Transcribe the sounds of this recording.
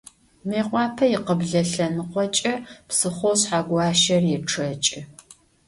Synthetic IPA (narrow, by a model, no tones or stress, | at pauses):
meːqʷʼɑːpʰɐjɪqəbɮɐɬɐnɨqʷɔt͡ʃʼɐpsɨχʷowɕħaɡʷɑːʃɐrjɛʈ͡ʂʰɐt͡ʃʼɪ